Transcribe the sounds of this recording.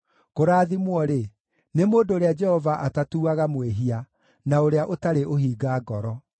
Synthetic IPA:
koɾaːðimwɔɾe | nemoːndoːɾead͡ʒɛhɔvaʔatatuːaɣamweɦia | naoɾeaʔotaɾeʔoɦiːɡaːɡɔɾɔ

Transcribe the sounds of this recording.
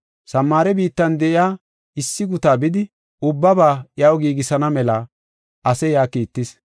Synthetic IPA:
sɐmːaːɾɛbiːt̪ːɐnd̪ɛʔɪjaː | ɪsːɪɡʊt̪aːbɪd̪ɪ | ʔʊbːɐbaːʔjɐwɡiːɡɪsɐnɐmɛlɐ | ʔɐsɛjaːkiːt̪ːɪs

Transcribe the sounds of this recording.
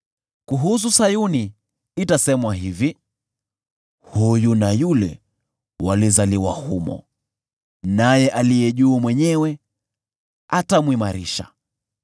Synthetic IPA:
kuɦus̬usajuni | itasɛmwaɦivi | hujunajulɛ̰ | walizaliwa̰humɔ̰ | najɛʔalijɛʄuːmwɛɲɛwɛ | atamwimaɾiʃa̰

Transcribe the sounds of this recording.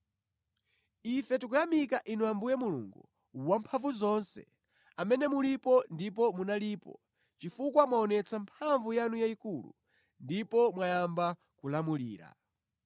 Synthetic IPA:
ifɛtikujamikaʔinuambujɛmulṵŋɡu | wampʰaɱvuzɔnsɛ̰ | amɛnɛmulipɔndipɔmunaliːpɔ̰ | t͡ʃifukwamwaɔnɛt͡sampʰaɱvujanujaikulṵ | ndipɔmwajamba | kulamuliːɾa̰

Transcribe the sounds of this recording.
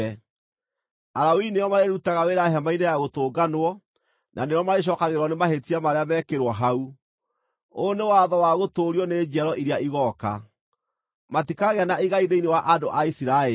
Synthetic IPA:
ɛ | aɾawinejɔmaɾeɾutaɣaweɾaɦamainejaɣotoːɡanwɔ | nʔa̰nejɔmaɾeɕ̬ɔːkaɣeɾwɔnemaɦetiamaɾeamɛːkeɾwɔɦau | onewaðɔwaɣotoɾiɔned͡ʒɛɾɔʔiɾeaiɣɔka̰ | matikaɣeanaiɣaiðeinewaʔadoʔaisiɾae

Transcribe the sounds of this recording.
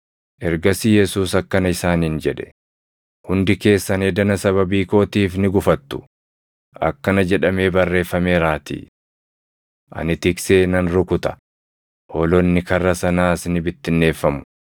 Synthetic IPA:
ʔɛɾɡɐsɪjɛsuːsɐkːɐnɐɪsaːniːnd͡ʒɛᶑɛ̥ | hʊnd̪ɪke̞ːsːɐneːd̪ɐnɐsɐβɐbiːko̞ːt̪iːfnɪɡʊfɐt̪ːʊ̥ | ʔɐ̰kːɐnɐd͡ʒɛᶑɐme̞ːbɐrːe̞ːfːɐme̞ːɾaːt̪ḭː | ʔɐ̰nɪt̪ɪkse̞ːnɐnɾʊkʊt̪ɐ̥ | hoːlɔnːɪkɐrːɐsɐnaːsnɪbɪt̪ːɪnːe̞ːfːɐmʊ̥

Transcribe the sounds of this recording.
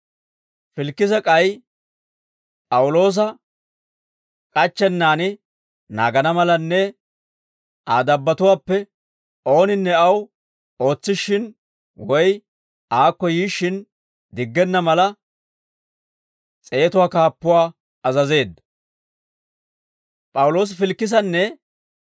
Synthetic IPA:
fɪlkːɪzɐkʼɐj | pʼɐwʊlo̞ːs̬ɐ | kʼɐt͡ʃːɛnːaːnɪ | na̰ːɡɐnɐmɐlɐnːɛ | aːd̪ɐbːɐt̪ʊwaːpːɛ | o̞ːnɪnːɛɐw | o̞ːt͡sːɪʃːɪn | wɔj | aːkːɔjiːʃːɪn | d̪ɪɡːɛnːɐmɐlɐ | t͡sʼeːt̪ʊwaːkaːpːʊwaː | ɐzɐze̞ːd̪ːɐ | pʼɐwʊlo̞ːs̬ɪfɪlkːɪs̬ɐnːɛ

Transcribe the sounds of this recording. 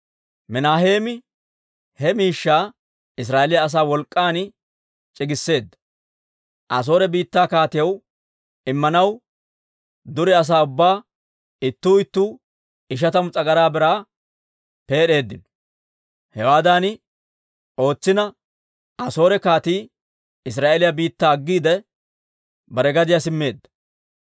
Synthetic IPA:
mɛnaːɦe̞ːmɪ | hɛmiːʃːaː | ɪs̬ɾaːʔelɪjɐːs̬aːwɔlkʼːaːn | t͡ʃʼɪɡɪsːe̞ːd̪ːɐ̥ | ʔɐs̬o̞ːɾɛbiːt̪ːaːkaːt̪ɪjɐw | ɪmːɐnɐw | d̪ʊɾɪɐs̬aːʊbːaː | ɪt̪ːuːɪt̪ːuː | ɪʃ̬ɐt̪ɐmʊt͡sʼɐɡɐɾaːbɪɾaː | pe̞ːɗe̞ːd̪ːɪnɔ̥ | hɛwaːd̪aːnɪ | ʔo̞ːt͡sːɪnɐ | ɐso̞ːɾɛkaːt̪iː | ɪs̬ɾaːʔelɪjɐbiːt̪ːaːɡːiːd̪ɛ | bɐɾɛɡɐd̪ɪjasɪmːe̞ːd̪ːɐ̥

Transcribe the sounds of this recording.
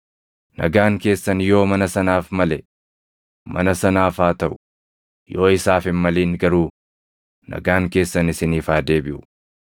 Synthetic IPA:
nɐ̰ɡaːŋke̞ːsːɐnjo̞ːmɐnɐsɐnaːfmɐlɛ | mɐ̰nɐsɐnaːfaːt̪ɐʔʊ̥ | jo̞ːɪsaːfɪnmɐliːŋɡɐɾuː | nɐ̰ɡaːŋke̞ːsːɐnɪsɪniːfaːd̪e̞ːbɪʔʊ̥

